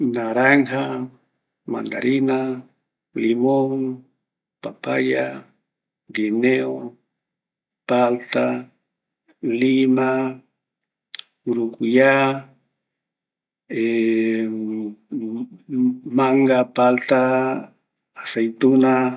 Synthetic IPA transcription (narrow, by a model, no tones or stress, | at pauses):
naɾaŋha | ma̰nd̪a̰ɾina | limoŋ | papa̰ja | ɡineo | palt̪a | lima | uɾukuja | e | maŋɡapalt̪a | sajt̪una